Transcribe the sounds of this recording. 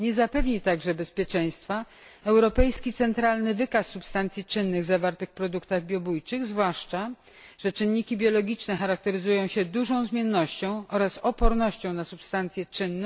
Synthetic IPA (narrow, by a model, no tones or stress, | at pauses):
ɲɛzapɛvɲit̪aɡʐɛbɛspʲjɛt͡ʂɛj̃st̪fa | ɛwɾɔpɛjskʲit̪sɛnt̪ɾalnɘvɘkasːupst̪ant̪sʲjit͡ʂɘnːɘɣzavaɾt̪ɘxpɾɔd̪ukt̪aɣbʲjɔbujt͡ʂɘɣzvwaʂt͡ʂa | ʐ̥ɛt͡ʂɘnːikʲibʲjɔlɔɡʲit͡ʂnɛxaɾak̚t̪ɛɾɘzujɔ̃w̃ɕɛd̪uʐɔ̃w̃zmʲjɛnːɔɕt͡ɕɔ̃w̃ʔɔɾasɔpɔɾnɔɕt͡ɕɔ̃w̃nasupst̪ant̪sʲjɛt͡ʂɘnːɛ